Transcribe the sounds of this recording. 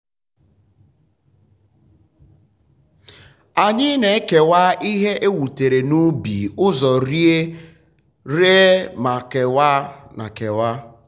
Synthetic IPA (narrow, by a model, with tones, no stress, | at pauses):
a˨ɲɪ˦ne˨˦ke˨wa˦ʔi˦ɦe˦ʔe˦wu˨te˨ɾe˨nu˦bḭ˨ʊ˦zɔ˨ɾi˦e˦ | ɾe˦ma˨ke˨wa˦na̰˨ke˨wa˦